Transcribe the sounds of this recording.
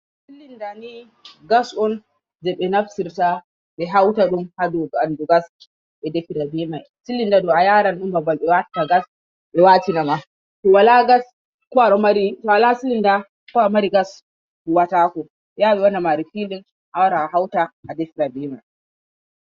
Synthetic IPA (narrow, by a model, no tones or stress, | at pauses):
silindani | ɡasɔn | d͡ʒɛɓɛnafsiɾta | ɓɛɦawtaɗumhadɔɡaanduɡas | ɓɛdɛfiɾabɛmaj | silindadɔajaːɾanɗumbabalɓɛwatːaɡas | ɓɛwatinama | tɔwalaɡas | kɔaɾɔmaɾitɔwalasilinda | kɔamaɾiɡas | huwataːkɔ | jaɓɛwanamaɾifilin | ʔawɾaaɦawtaadɛfiɾabɛmaj